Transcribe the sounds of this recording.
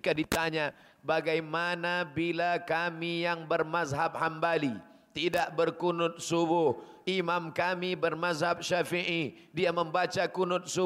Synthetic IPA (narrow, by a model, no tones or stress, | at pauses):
kadit̪aɲa | baɡajmanabilakamijaŋbərmasɦap̚hambali | t̪idaʔbərkunʊt̪̚subʊh | imamkamibərmazhap̚ʃafiʔi | diaməmbat͡ʃakunʊt̪̚su